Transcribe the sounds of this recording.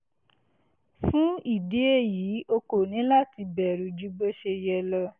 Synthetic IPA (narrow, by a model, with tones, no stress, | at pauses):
fũ˦i˦˨de˨˦e˦˨jiː˨˦o˧ko˨nĩ˨˦la˦ti˧bɛ˨ɾu˨d͡ʒu˦ɡ͡be˦ʃe˧jɛ˧lɔ˧